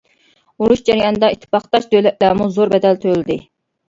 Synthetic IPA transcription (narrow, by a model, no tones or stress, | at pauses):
uɾuʃd͡ʒɛɾijɑnɨd̪ɑit̪ʰːɪ̥pɑχt̪ɑʃd̪ølɛt̪̚læːɾmuzoɾbɛd̪ɛlt̪ʰølɪd̪ɪ